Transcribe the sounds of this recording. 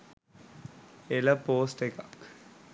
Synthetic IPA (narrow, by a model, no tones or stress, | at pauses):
elɐpoːsʈekak